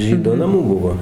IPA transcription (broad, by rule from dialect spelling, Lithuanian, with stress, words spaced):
ˈʒʲiːdoː nɐˈmuː ˈbʊʋoː